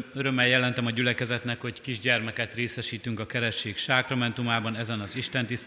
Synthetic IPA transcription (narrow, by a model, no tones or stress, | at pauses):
øɾø̞mːɛjɛlɛnt̪ɛmɒɟylɛkɛzɛt̪nɛkho̞ckiʒɟɛrmɛkɛt̪reːsɛʃiːt̪yŋkɒkɛɾɛʃːeːkʃaːkrɒmɛnt̪umaːbɒnɛzɛnɒziʃt̪ɛnt̪is